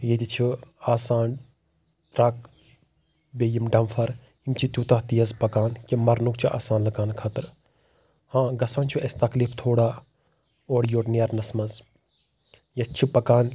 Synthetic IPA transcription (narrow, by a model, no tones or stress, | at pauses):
jed̪ʲit͡ʃʰiaːsaːn | ɾɐk̚ | beːjimɖɐmfʰɐɾ | imt͡ʃʰit̪ʲuːt̪ɐht̪ijɐzpɐkaːnkimɐɾnukt͡ʃʰiʔa̰ːsaːnlɐkaːnkʰaːt̪ɨɾ | hãːɡɐsaːnt͡ʃʰuʔɐst̪ɐklift̪ʰoːɽaː | oːɾjoːʈneɾnɐsmɐz | jɐst͡ʃʰipɐkaːn